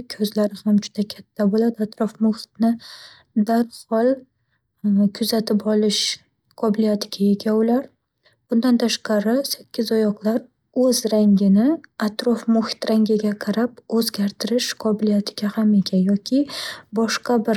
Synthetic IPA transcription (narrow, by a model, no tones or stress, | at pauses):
kʲʰɵzlaɾɪhamd͡ʒʊd̪akʲʰat̪ʰːabolad̪ɪat̪ɾɒfmʊhɪ̥t̪nɪ | d̪aɾhɒlˠ | kʰʊzat̪ʰɪpʰɒlˠɪʃ | qʰɒbɪlijat̪ʰɪɡʲaje̞ɡʲaʊlaɾ | b̥ʊnd̪ant̪ʰaʃqɑɾɪsakʲːɪzɒjɒqlˠaɾ | ɵzɾaŋɡʲɪnɪat̪ɾɒfmʊhɪ̥t̪ɾaŋɡʲɪɡʲaqʰɑɾapɵzɡʲaɾt̪ʰɪɾɪʃqʰɒbɪlijat̪ʰɪɡʲahame̞kʲʰanjɒkʲʰɪbɒʃqɑbɪɾ